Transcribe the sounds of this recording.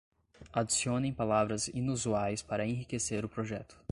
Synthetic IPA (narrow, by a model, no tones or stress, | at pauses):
ad͡ʒisiõnẽj̃palavɾɐzĩnuzuajspaɾɐẽɦikeseɾʊpɾoʒɛt̪ʊ̥